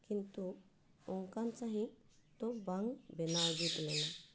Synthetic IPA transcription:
kint̪u | ɔŋkant͡ʃaɦĩ | t̪ɔbaŋbɛnawd͡ʒit̪lɛna

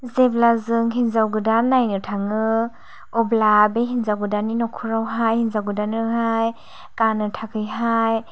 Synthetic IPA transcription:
zeblazɯŋɦinzawɡɯdanːajnɯtʰaŋɯ | ɔblabeɦinzawɡɯdaninɔkʰuɾawɦajhinzawɡɯdanɯhaj | kanɯtʰakʰɯjɦaj

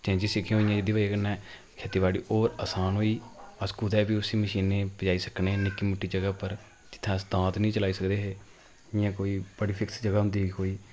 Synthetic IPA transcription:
t͡ʃɛ̃ːd͡ʒiːsɪkʰːẽɦoːɪjãːd͡ʒɪd̪iːbaːiakənɛ̃ː | kʰet̪iːbaːɽḭːʔoːɾəsaːnɦoːiːəskuːd̪ɛːbiːʊsiːməʃiːneːpəd͡ʒaːiːsəkneːnɪkiːmʊʈʰːiːd͡ʒəɡaːpəɾ | d͡ʒɪt̪ʰːãsd̪ãːt̪nəĩːt͡ʃəlaːiːsəkd̪eːɦeː | ɪjãːkoːiːbəɽiːpʰɪksd͡ʒəɡaːɦʊ̃nd̪iːiːkoːiː

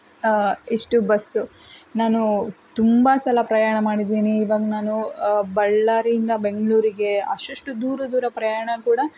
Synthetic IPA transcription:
iʂʈubɐsunaːnut̪umbɐsɐlɐpɾɐjaːɳɐmaːɽid̪ːiːniːʋaːɡɐnaːnubɐɭːaːɾiind̪ɐbe̞ŋɡɐɭuːɾiɡe̞ɐ̰ʃɐʂʈud̪uːɾɐd̪uːɾɐpɾɐjaːɳɐkuːɽɐ

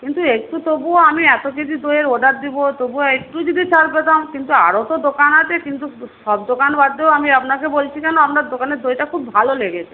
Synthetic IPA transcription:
kint̪uekʈut̪obuoamiɛt̪okit͡ʃʰid̪ojeɾoɖaɾd̪ibot̪obuoek̚ʈud͡ʑid̪it͡ɕʰaɾbet̪amkint̪ua̰ɾot̪od̪okanat͡ɕʰekint̪uʃɔbd̪okanbad̪ːeoamiapnakebolt͡ɕʰikɛnoapnaɾd̪okaneɾd̪ojʈakʰubːʱaloleɡet͡ɕʰe

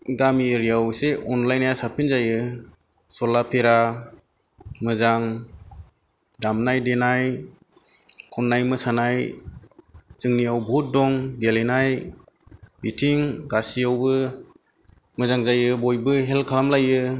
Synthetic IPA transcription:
ɡamiɾijawseʔɔnlajnajasapʰinzajɯ | sɔlapʰeɾa | mɯzaŋ | damnajdenaj | kʰɔnːajmɯsanaj | zɯŋnijawbʱut̚dɔŋdelenaj | bitʰiŋɡasijawbɯ | mɯzaŋzajɯbɔjbɯɦelkʰalamlajɯ

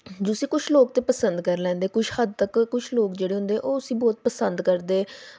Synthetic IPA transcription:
d͡ʒosĩːkʊt͡ʃʰloːkt̪eːpəsənd̪kəɾlɛ̃ːnd̪eːkʊʃʰhəd̪̚t̪əkːʊt͡ʃʰloːkd͡ʒeːɽeːɦʊ̃nd̪eːɛːʔoːʊsĩːbɔːt̪̚pəsənd̪kəɾd̪eː

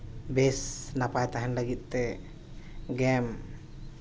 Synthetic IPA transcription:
bɛsnapajt̪aɦɛnləɡit̪̚ˀt̪ɛ | ɡɛm

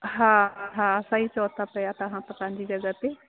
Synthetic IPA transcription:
ɦãːɦãsait͡ʃɔːt̪apɛjat̪ɐɦãt̪ɐpãnd͡ʒid͡ʒɐɡət̪e

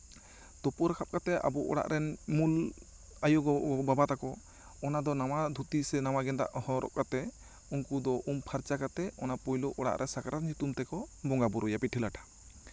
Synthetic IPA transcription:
t̪ɔpɔɾakʰap̚kat̪ɛa̰bɔʔɔ̰ɽa̰ʔɾɛnmul | ajɔɡɔʔɔbabat̪akɔ | ɔnad̪ɔnawad̪ʱut̪isɛnawaɡɛnt̪a̰ʔhɔɾʔɔ̰ʔ̚kat̪ɛ | unkud̪ɔʔumpʰaɾt͡ʃakat̪ɛɔnapɔjlɔʔɔɽa̰ʔɾʔɛsakaɾatɲut̪umt̪ɛkɔbɔŋɡabɔɾɔjapiʈʰilaʈḁ

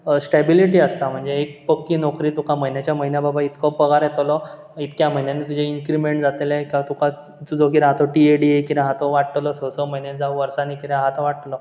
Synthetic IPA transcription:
sʈebiliʈiːəst̪am̤əɳd͡zeek̚pəkːiːnɔkɾiːt̪ukʰaməɦinjat͡ɕjaməɦinjababʱait̪kʰɔpəɡaɾjɛt̪lɔ | it̪kjam̤əjnjanit̪ud͡ʑʱeiŋkɾimeɳʈd͡zat̪elẽkĩʋat̪ukʰa | t̪ud͡zʱɔk̬iɾɦat̪ɔʈieɖiekiɾeɦat̪ɔʋaʈt̪lɔsəsəməɦjned͡zauʋəɾsãnikit̪eɦat̪ɔʋaʈlɔ

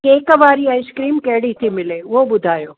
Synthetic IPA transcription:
eːkʋaːɾiaɪskɾiːmkɛɦɽit̪ʰimɪleːoɓʊd̪ʱaːjoː

